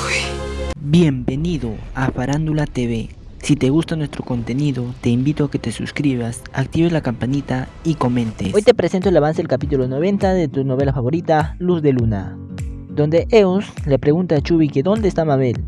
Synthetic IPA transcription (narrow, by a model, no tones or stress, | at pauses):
bjembe̞niðo̞afaɾand̪ulat̪eβe | sit̪e̞ɣust̪anwe̞st̪ɾo̞ko̞nt̪e̞niðo̞t̪e̞imbit̪oake̞t̪e̞sṵskɾiβas | ak̚t̪iβelakampanit̪aiko̞mẽ̞nt̪eojt̪e̞pɾese̞nt̪oelaβans̬e̞ðelkapit̪ulono̞β̞e̞nt̪aðet̪uno̞βe̞lafaβo̞ɾit̪aluzðe̞luna̰ | d̪o̞nd̪e̞ʔeoslepɾeɣunt̪at͡ʃuβikeðo̞nd̪eːst̪amaβel